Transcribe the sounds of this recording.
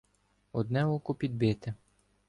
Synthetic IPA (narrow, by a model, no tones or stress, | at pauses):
ɔd̪nɛɔkʊpʲid̪̚bɪt̪ɪ